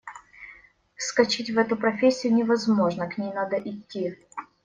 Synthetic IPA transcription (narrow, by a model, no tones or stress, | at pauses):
fskɐt͡ɕitʲvɛt̪ʊpɾɐfʲesʲːɪjʊnʲɪvɐzmo̞ʐnəknʲejnad̪əʔɪtʲːi